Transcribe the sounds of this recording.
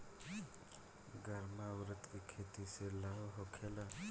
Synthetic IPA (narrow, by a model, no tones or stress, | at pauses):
ɡəɾmawɾət̪kikʰeːt̪iselaɦoɦokʰela